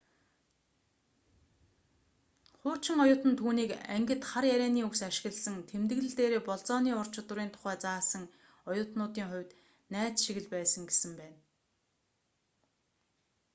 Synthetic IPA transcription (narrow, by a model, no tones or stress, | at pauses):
χʊ̥ːt͡ɕɪ̆ŋɔjʊːt̪ə̆nt̪ʰuːniːkæŋɡʲɪ̆t̪χarjæɾʲæːniːuwsaʃɪ̆ɣə̆ɮsə̆ŋt̪ʰemt̪ɘ̆ɣɮɘ̆ɮt̪eːɾeːpɔɮt͡sɔːniːʊr̥t͡ɕʰɪ̆t̪ʊɾiːnt̪ʰʊ̥χæːt͡saːsə̆ŋ | ɔjʊːt̪nʊːt̪iːŋχʊ̟wʲt̪ | næːt͡sʃiɣɘ̆ɮpæːsə̆ŋɡesɘ̆mpæːn